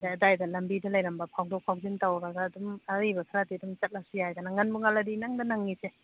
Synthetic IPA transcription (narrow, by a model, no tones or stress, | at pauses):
daɐdajdɐlɐmbidɐlɐjɾɐmbɐpʰawdɔk̚pʰawzintawaɡaɡaːdumaijbɐkʰaɾatiɐdumt͡ʃɐt̚lasijajdanaŋɐnbuŋaladinaŋdanaŋːise